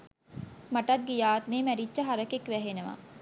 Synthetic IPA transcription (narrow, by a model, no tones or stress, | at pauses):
maʈɐt̪̚ɡijaːt̪neːmæɾit͡ʃːəɦaɾəkekʋæɦenəʋa̰